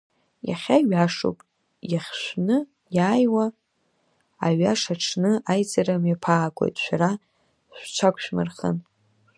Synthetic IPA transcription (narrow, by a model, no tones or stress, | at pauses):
ja̰χʲaɥaʂo̰pʼ | jaχʲʃʷnɨ | jaːjwa | aɥaʂaʈ͡ʂʰnɨajt͡sʼaɾamjapʰaːkʷʼo̞̰jtʼʃʷᶣaɾa | ʃʷt͡ʃʷʰakʷʰʼʃʷᶣmɨ̰rχə̰n